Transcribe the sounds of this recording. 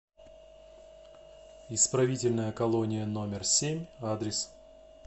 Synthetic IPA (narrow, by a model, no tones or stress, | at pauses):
ɪspɾɐvʲitʲɪlʲnəjəkɐlˠonʲɪjəno̞mʲɪrsʲemʲad̪ɾʲɪs